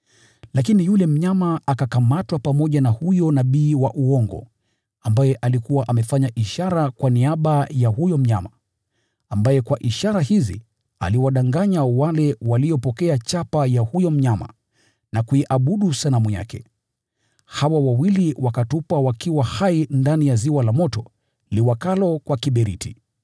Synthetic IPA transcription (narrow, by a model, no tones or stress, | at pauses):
lakinijulɛm̩ɲamaakakamatwapamɔʄanahujɔnaɓiːwaʔuɔŋɡɔ̰ | ambajɛʔalikuwaʔamɛfaɲaʔiʃaɾakwaniaɓajahujɔm̩ɲa̰ma | ambajɛkwaʔiʃaɾahizḭ | a̰liwaɗaŋɡaɲawalɛwalijɔpɔkɛat͡ʃapajahujɔm̩ɲama̰ | nakuiʔaɓuɗusalamuja̰kɛ̰ | hawawawiliwakatupawakiwahaindanijaziwalamɔtɔ | liwakalɔkwakiɓɛɾḭtʰi